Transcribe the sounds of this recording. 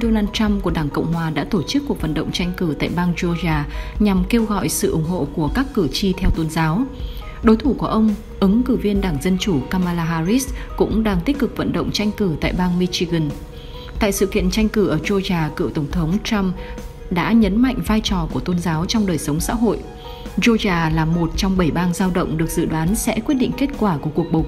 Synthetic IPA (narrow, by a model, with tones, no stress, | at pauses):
ɗo˧naː˧nt͡ɕa˧mku˧˩əɗaː˧˩ŋkə̰˧˨wŋ͡mhwaː˨˩ɗa̰ː˧˥t̪o˧˩t͡ɕɨ˦˥kːu˨˩ək̚və̰˧˨nɗə̰˧˨wŋ͡mt͡ɕa˧jŋ̟kɨ˧˩t̪a̰ː˧˨jɓaː˧ŋt͡ɕo˧zaː˧˩ɲa˨˩mke˧wɣɔ̰˧˨jsɨ̰˧˨ʔʊ˧˩ŋ͡mɦo̰˧˨ku˧˩əkaː˦˥kːɨ˧˩t͡ɕi˧t̪ʰɛ˧wt̪o˧nzaː˨˦w | ɗo˨˦jt̪ʰu˧˩ku˧˩əʔə˧wŋ͡m | ʔɨ˨˦ŋkɨ˧˩vi˧ənɗaː˧˩ŋzə˧nt͡ɕu˧˩kaː˧maː˧laː˧ɦaː˧zi˦˥skʊ̰˧˥ŋ͡mɗaː˧ŋt̪i˦˥k̟̚kɨ˨˩k̚və̰˧˨nɗə̰˧˨wŋ͡mt͡ɕa˧jŋ̟kɨ˧˩t̪a̰ː˧˨jɓaː˧ŋmi˧t͡ɕi˧ɣə˨˧˩n | t̪a̰ː˧˨jsɨ̰˧˨kḭ˧˨ənt͡ɕa˧jŋ̟kɨ˧˩ʔəː˧˩zo˧zaː˨˩kɨ̰˧˨wt̪ə˧˩wŋ͡mt̪ʰə˨˦wŋ͡mta˧m | ɗa̰ː˧˥ɲə˨˦nma̰˧˨jŋ̟vaː˧jt͡ɕɔ˨˩ku˧˩ət̪o˧nzaː˨˦wt͡ɕɔ˧wŋ͡mɗəː˨˩jsə˨˦wŋ͡msa̰ː˧˥ɦo̰˧˨jʔ | zo˧zaː˨˩laː˨˩mo˨˩t̚t͡ɕɔ˧wŋ͡mɓə˧˩jɓaː˧nzaː˧wɗə̰˧˨wŋ͡mɗɨ˨˩ək̚zɨ̰˧˨ɗwaː˨˦nsɛ̰˧˥kwi˦˥ət̚ɗḭ˧˨ŋ̟ke˦˥t̚kwaː˧˩ku˧˩əku˨˩ək̚ɓo˨˩˦